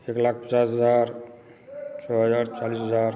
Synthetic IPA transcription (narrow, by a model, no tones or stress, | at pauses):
eklak̚ʰpə̥t͡ʃasɦəd͡ʒaɾ | t͡ʃʰɔɦəzaːɾt͡ʃaliːsɦəd͡zaɾ